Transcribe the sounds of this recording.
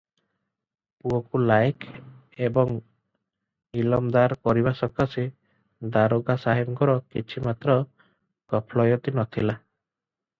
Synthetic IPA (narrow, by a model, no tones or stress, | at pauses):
puɔkulajkʰ | ebɔŋ | ilɔmd̪aɾkɔɾibasɔkase | d̪aɾoɡasaɦibkɔɾɔkit͡ʃʰimat̪ɾɔ | kɔpʰlɔjɔt̪inɔt̪ʰila